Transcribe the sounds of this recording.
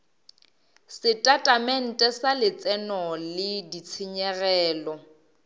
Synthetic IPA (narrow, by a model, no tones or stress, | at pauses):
sɪtʼatʼamɛn̩tʼɛsalɪt͡sʼɛnɔlɪdit͡sʰɪɲɛrɛːlɔ